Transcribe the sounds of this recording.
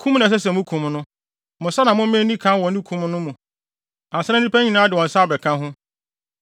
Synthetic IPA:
kʰũ˦m˦nã˨s̬ɛ˦s̬ɛ˨mʊ̃˦kʰũ˨mnʊ̃˦ | mʊ̃˨sa˦nã˨mʊ̃˦ɛ̃˦nĩ˦kʰã˦wɔ̃˨˦nĩ˦kʰũ˨˦m˦nʊ̃˦mũ˨ | a˨sɛ˦nɛ̃˦ĩ˦pɛ˦ɲi˨nãː˨˦dɪ˨wɔ̃˨n̩˨sa˦˨bɛ˨kʰã˦ɦʊ̃˦

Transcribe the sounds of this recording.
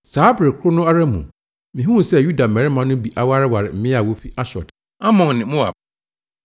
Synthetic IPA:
saː˨˦bɾɪ˨kʰʊ˦ɾʊ˦nʊ̃˦a˦ɾa˦mṵ̃˨ | mĩ˨ɦũ˦˨sɛ˦ju˦da˨mɛ̃˨ɾɪ˦mã˦nʊ̃˦bi˨ʔa˨wa˦ɾɪ˦wa˨ɾɪ˨m̩˦mɪ̃˦a˨wo˦fi˦ʔa˦ɕɔ̰˨d | a˦mɔ̃˨ŋnɪ̃˨mʊ̃˦a̰˨

